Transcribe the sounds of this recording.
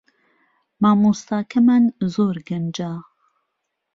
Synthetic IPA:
maːmust̪aːkʰɐmanzoːɾɡɐnd͡ʒaː

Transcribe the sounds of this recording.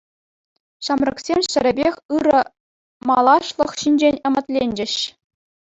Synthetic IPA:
ɕɑmrɤ̆ksʲemʲɕɘ̆ɾʲɘ̆bʲexʲɯɾɤ̆ | mɑlˠɑʂlˠɤ̆χɕinʲd͡ʑenʲɤ̆mɘ̆t̪ʲlʲenʲd͡ʑɘ̆ɕ

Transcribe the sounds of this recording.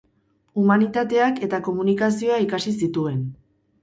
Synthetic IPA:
umanit̪at̪e̞ake̞t̪ako̞munikasio̞aikasisit̪ue̞n

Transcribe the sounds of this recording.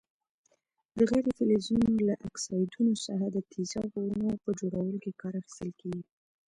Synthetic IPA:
d̪̥əɣajɾet̪elwezijunolaʔaksɑjd̪unosaɾad̪ət̪ʰizɑwɣowənopəd͡ʒoɽawəlokekɑɾaxi̥st̪əlkeɡi

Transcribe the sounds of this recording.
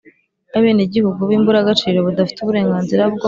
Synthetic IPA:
aβe̞ːneɟihuɡuβiːmbuɾaɡat͡ʃiːɾo̞βudafi̥tuβuɾe̞ːŋɡaːnziɾabɡ

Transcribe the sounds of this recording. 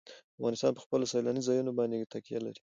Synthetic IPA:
afɣɑnɪst̪ɑnpə̥xpəlosɑlɑnizɑjunobɑnd̪et̪akijala̰ɾi̥

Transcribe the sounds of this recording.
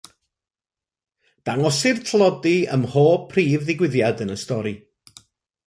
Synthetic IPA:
d̥aŋɔsɪrtʰlˠɔdiə̰mho̥ːpʰriːvðɪɡwɪðjadənəstɔɾi

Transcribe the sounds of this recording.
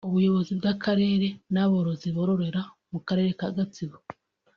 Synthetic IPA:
uβujo̞βo̞zib̚ɡakʰaɾe̞ːɾe̞naβoɾo̞ziβo̞ɾo̞ɾe̞ɾa | mukaɾe̞ːɾekaɡat͡siβo

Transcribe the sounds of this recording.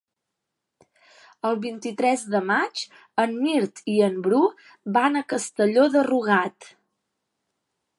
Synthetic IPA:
əlˠβint̪it̪ɾɛzdəmat͡ʃ | əmmiɾt̪iəmbɾu | banəkəst̪əʎoðəruɣ̞at̪

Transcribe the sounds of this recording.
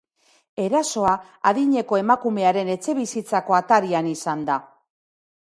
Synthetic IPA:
e̞ɾaso̞a | aðiɲe̞ko̞e̞makume̞aɾe̞ne̞t͡se̞βisit͡sako̞at̪aɾianisand̪a

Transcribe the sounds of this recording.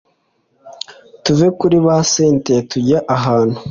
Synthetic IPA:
tuvekuɾiβaseːntetuɟaʔaɦaːnhu

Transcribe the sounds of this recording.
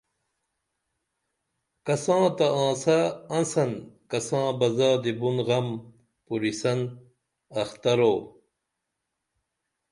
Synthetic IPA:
kɐsãːt̪ɐãːsɐːnsɐnkɐsãːbɐzaːd̪ibunɣɐm | puɾisɐn | ɐxt̪ɐɾoː

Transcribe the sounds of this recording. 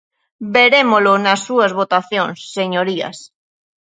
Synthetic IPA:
beɾemolonasːuazβot̪aθjõnsːeɲoɾia̰s

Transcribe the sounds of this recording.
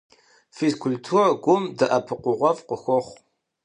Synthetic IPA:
fizkʰʊltʰuːrɡʷʊmdɐʔɐpʰɨqʷʊʁʷɔvqəxʷɔχʷ

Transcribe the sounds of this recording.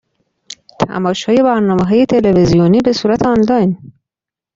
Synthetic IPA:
t̪ʰæ̰mɒːʃɒːje̞bæɾnɒːmeɦɒːje̞t̪ʰelevezijoniːbe̞suːɾæt̪ʰeɒnlɒjn

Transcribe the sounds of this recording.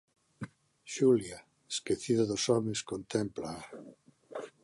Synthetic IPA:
ʃulja | eskeθiðaðosɔmẽskont̪emplaa

